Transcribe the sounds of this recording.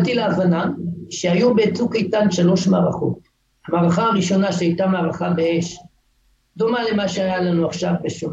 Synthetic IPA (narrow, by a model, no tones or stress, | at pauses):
t̪ileavanamʃeajubet͡sukait̪anʃalo̞ʃmaʁaχo̞̰t̪̚ | hamaʁaχaːʁiʃo̞naʃeajt̪amaːʁaχabeeʃ | d̪omalemaʃeajalanuaχʃavbeʃo